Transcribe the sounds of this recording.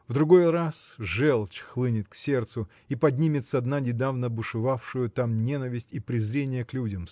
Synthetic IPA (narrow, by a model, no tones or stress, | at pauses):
vd̪ɾʊɡo̞jrasʐɛlˠt͡ɕxlˠɨnʲɪt̪̚ksʲe̞rt̪sʊ | ipɐdʲnʲimʲɪt̪səɐd̪nanʲɪd̪avnəbʊʂɨvafʂʊjʊt̪amnʲe̞nəvʲɪsʲtʲipɾʲɪzɾʲenʲɪjəklʲudʲəm